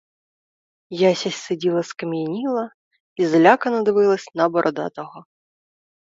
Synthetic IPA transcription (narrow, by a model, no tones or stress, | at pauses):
jasʲasʲt̪ɪdʲilˠɐskɐmʲjɐnʲilˠɐ | izlʲakɐnɐd̪ɪvɪlˠɐsʲnɐbɔɾʔɔd̪a̰t̪ɔɣɔ